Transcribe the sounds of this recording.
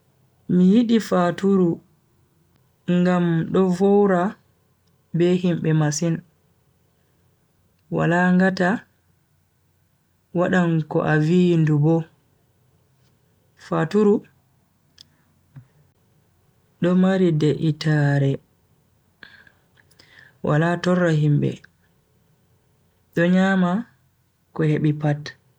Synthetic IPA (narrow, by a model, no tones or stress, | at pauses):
mijiɗifatuɾu | ŋɡamɗɔvɔwɾa | bɛhimɓɛmasin | wa̰laŋɡata | waɗaŋkɔ̰ʔaviːndubɔ | fatuɾu | ɗɔmaɾidɛʔitaɾɛ | wa̰latɔrːaɦimbɛ̰ | ɗɔɲaːma | kɔheɓipat